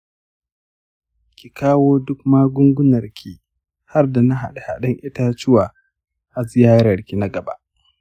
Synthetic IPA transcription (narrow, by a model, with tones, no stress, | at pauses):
kʲi˨kaː˦woː˦dʊ˦k̚maː˦ɡʷʊ˦ŋɡʷʊ˦nɐ˨rkʲʰi˦ | ha˦rda˨na˦ɦa̰˨ɗe˨ha̰˨ɗɐ˦ŋʔɪ˦ta˦t͡ʃɪ˦waː˨ | ʔa˨zɪ˦jaː˦ɾɐ˨rkʲi˨na˦ɡɐ˨ba̰˦ʔ